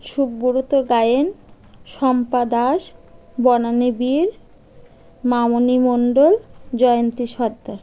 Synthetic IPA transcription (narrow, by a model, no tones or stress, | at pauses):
ʃubːuɾot̪oɡajen | ʃɔmpad̪aʃbɔnanibiɾ | mamonimoɳɖold͡ʑɔjont̪iʃɔɾd̪aɾ